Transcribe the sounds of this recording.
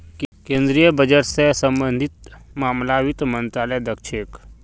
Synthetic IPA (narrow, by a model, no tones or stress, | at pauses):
kẽːnd̪ɾijəbəd͡ʒəɾsesə̃mbə̃nd̪ʱit̪maːmlaːwit̪mə̃nt̪ɾaːləjd̪əkʃek